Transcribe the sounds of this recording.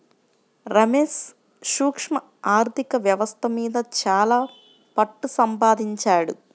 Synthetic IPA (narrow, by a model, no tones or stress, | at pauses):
ɾɐmeːs | ʃuːkʂmɐ | aːɾt̪ʰikɐʋjɐʋɐst̪ʰɐmiːd̪ɐt͡ʃaːlaː | pɐʈːusɐmpaːd̪iɲt͡ʃaːɽṵ